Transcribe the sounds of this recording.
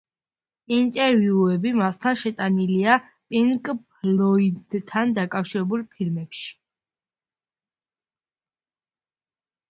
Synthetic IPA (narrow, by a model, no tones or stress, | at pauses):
int̪ʼɛɾviuɛbimast̪ʰanʃɛt̪ʼanilia | pʼiŋkʼplɔid̪t̪ʰːand̪akʼafʃiɾɛbulˠpʰilmɛpʃi̥